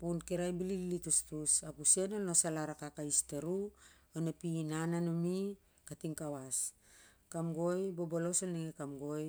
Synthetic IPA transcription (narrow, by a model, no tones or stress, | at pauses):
punkeɾajbilililitustusapuse̞nolnosalaɾakakaisteɾuonapinananomi | katiŋkawas | kamɡo̞jbobolosalneŋekamɡo̞j